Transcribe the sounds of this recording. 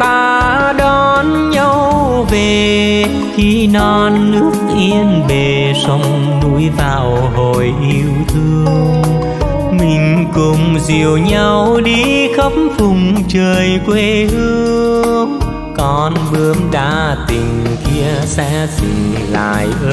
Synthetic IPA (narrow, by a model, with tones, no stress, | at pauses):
t̪aː˧˩ | ɗɔ˧ | n | ɲə˧w | ve˨˩ | xi˧nɔ˧nːɨ˦˥ək̚ʔi˧ənve˨˩ | sə˧wŋ͡m | nṵ˧˥jvaː˨˩w | ɦo˨˩jʔi˧əwt̪ʰɨ˧əŋ | mï˨˩ŋ̟kʊ˨˩ŋ͡mzi˨˩əwɲa˧wɗi˧xə˦˥p̚fʊ˨˩ŋ͡mt͡ɕəː˨˩jkwe˧hɨ˧əəəŋŋ | kɔ˧˩nɓɨ˧˦əmɗa̰ː˧˥t̪i˨˩ŋ̟ki˧əsɛ̰˧˥zḭ̈˨˩ŋ̟la̰ː˧˨˧jʔː